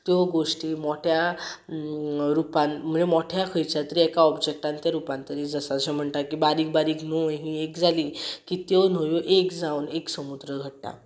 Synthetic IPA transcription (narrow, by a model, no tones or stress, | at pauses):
t̪jɔɡoʂʈiːmɔʈʰja | ɾupanm̤əemɔʈʰjakʰəjt͡ɕat̪əɾiɛkaɔbd͡ʑek̚ʈant̪jaɾupãnt̪əɾid͡zəsaɕɛm̤əɳt̪akibaɾiːkbaɾiːkn̤oɦĩekd͡zalikit̪jɔnojoʔekd͡zawneksəmud̪ɾəɡʱəɽʈa̰